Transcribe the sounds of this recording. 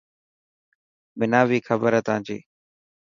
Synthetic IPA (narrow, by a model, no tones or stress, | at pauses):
mɪnaːʋiːkʰəbəɾɦɛːt̪ãːd͡ʒḭː